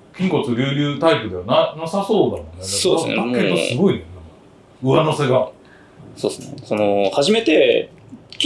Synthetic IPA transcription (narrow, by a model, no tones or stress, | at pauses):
kʲĩŋko̞t͡sɨɾʲɨːɾʲɨːt̪aipɯ̟d̪e̞βananasaso̞ːd̪anonesoːakkːet̪ːosɨɡo̞inena | ɯ̟anose̞ɡa | so̰ːsnesonohaʑime̞t̪e̞